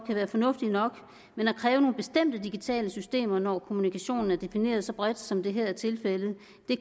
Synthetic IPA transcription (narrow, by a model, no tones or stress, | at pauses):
kʰæʋæːɐfɒ̽nɔ̽fd̥inɒ̽ɡ̥ | menækʰʁɛːʊno̝ːn̩b̥e̝sd̥em̰d̥əd̥iɡ̥it͡sʰɛ̰ːləsysd̥e̝̰ːmɐnɒkʰo̝munikʰæɕo̝̰ːnn̩æɐd̥e̝fine̝̰ːɐð̞ˠsɒ̽b̥ʁad̥sɒ̽md̥e̝ɦæ̰t͡sʰe̝lfelð̩ˠ | d̥e̝